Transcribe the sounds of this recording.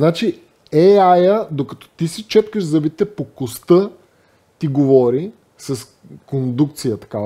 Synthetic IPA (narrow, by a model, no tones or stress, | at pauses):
znat͡ʃi | ɛajəd̪okɐt̪ɔ̥t̪isit͡ʃɛt̪kəʃzɐbit̪ɛpokost̪ə | t̪iɡovɔɾi | sɐs | kond̪uk̚t̪sijət̪ɐ̥ka